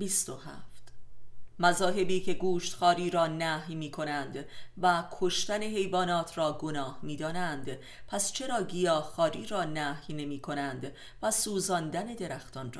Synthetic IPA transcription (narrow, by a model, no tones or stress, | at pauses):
bist̪ohæ̰ft̪mæzɒːɦe̞biːcʰe̞ɡuːʃt̪xɒːɾiːɾɒːnæhjmiːkʰo̞nænd̪vækʰo̞ʃt̪æne̞ɦe̞jvɒːnɒːt̪ʰrɒːɡo̞nɒːhmiːd̪ɒːnænd̪ | pʰæst͡ʃʰe̞ɾɒːɡijɒːhxɒːɾiːɾɒːnæhjne̞miːkʰo̞nænd̪ | væsuːzɒːnd̪æne̞d̪e̞ɾæxt̪ɒnrɒ̰ː